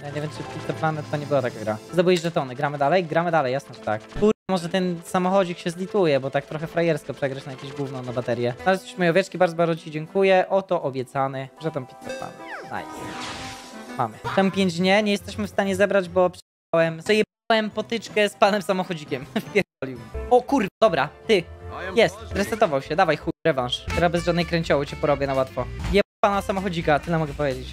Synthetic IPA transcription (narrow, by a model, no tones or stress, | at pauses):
jaɲevʲɛmt͡ʂɘfpʲit̪k̪ɔplanɛt̪t̪ɔɲɛbɘwat̪akaɡɾazd̪ɔbɨwɛʑʐɛt̪ɔnɘɡɾamɘd̪alɛjɡɾamɘd̪alɛjːasnɛʐɛt̪a̰kkuɛmɔʐɛt̪ɛnsamɔxɔd͡ʑikɕɛzlʲit̪ujɛbɔt̪ak̚t̪ɾɔxɛfɾajɛɾskɔpʂɛɡɾat͡ɕnajakʲẽʑɡwuvnɔ̃w̃nabat̪ɛɾʲjɛalɛt̪su̥ɕmɔjɔvʲjɛt͡ʂkʲibaɾdzɔbaɾd̪zɔt͡ɕid͡ʑɛŋkujɛʔɔt̪ɔʔɔbʲjɛt̪sanɘʐɛt̪ampʲi̥t̪̚sɔpla̰nɛ̰na̰jsɛ | ma̰mɘt̪ampʲjeɲd͡ʑɲɛɲɛjɛst̪ɛɕmɘfst̪aɲɛzɛbɾad͡ʑbɔpʂɛ̥ | awɛmzɛjɛawɛmpɔt̪ɘt͡ʂkɛspanɛmsamɔxɔd͡ʑikʲɛmfpʲjɛɾvɔlʲjiwɔkuɾd̪ɔbɾat̪ɘjɛst̪ɾɛt̪ɛt̪ɔvawɕɛd̪avajxuɾɛvãʂkt̪uɾabɛzʐad̪nɛjkɾɛɲt͡ɕɔwɔt͡ɕɛpɔɾɔbʲjɛnawat̪fɔjɛpanasamɔxɔd͡ʑikat̪ɘlɛmɔɡɛpɔvʲjed͡ʑet͡ɕ